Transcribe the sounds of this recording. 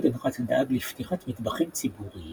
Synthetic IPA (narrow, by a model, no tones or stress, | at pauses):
d̪anχat͡sad̪ʔaɡlift̪iχat̪mid̪baχimt͡sibuʁi